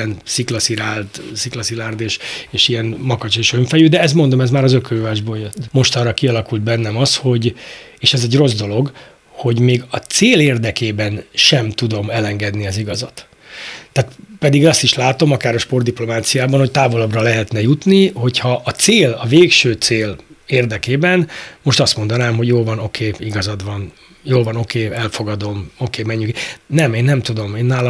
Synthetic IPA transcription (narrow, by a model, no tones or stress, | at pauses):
ɛnsiklɒsiɾaːlt̪siklɒsilaːrd̪eːʃeːʃiɛnmɒkɒt͡ʃeʃøɱfɛjyd̪ɛɛzmo̞nd̪omɛzmaːɾɒzøkøːvaːʒboːjøt̪ːmo̞ʃt̪ɒrːɒkiɒlɒkuld̪̚bɛnːɛmɒsho̞ɟ | eːʃɛzɛɟro̞zd̪o̞lo̞ɡ | ho̞ɟmeːɡɒt̪seːleːrd̪ɛkeːbɛnʃɛmt̪ud̪o̞mɛlɛŋɡɛd̪niɒziɡɒzɒt̪ː | aːt̪pɛd̪iɡɒst̪iʃlaːt̪o̞mɒkaːɾɒʃpo̞rd̪iplo̞maːt̪sijaːbɒnho̞c̚t̪aːvo̞lɒbrɒlɛɦɛt̪nɛjut̪niho̞chɒʔːt̪seːlɒveːkʃøːt̪seːleːrd̪ɛkeːbɛnmo̞ʃt̪ɒst̪mo̞nd̪ɒnaːmɦo̞ɟjoːlvɒno̞kʰeːiɡɒzɒd̪ʋɒn | joːlvɒno̞keːɛlfo̞ɡɒd̪o̞mo̞keːmɛɲːyknɛmeːnːɛmt̪ud̪o̞meːnːaːlɒ